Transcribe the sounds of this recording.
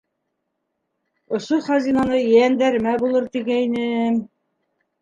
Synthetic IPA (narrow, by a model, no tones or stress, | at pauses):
ŏʃoχɑzinɑnɤjænd̪æɾmæbulˠɤɾt̪iɡæjnɘm